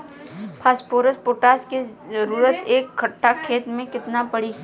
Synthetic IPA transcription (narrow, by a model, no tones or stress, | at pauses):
pʰaːspoːɾəspoːʈaːskezəɾuːɾət̪eːkʰːɐʈʰːakʰeːt̪mẽkɪt̪napɐɽi